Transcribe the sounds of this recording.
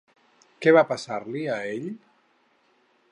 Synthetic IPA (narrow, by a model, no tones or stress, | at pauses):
kɛβapasaɾliaeʎ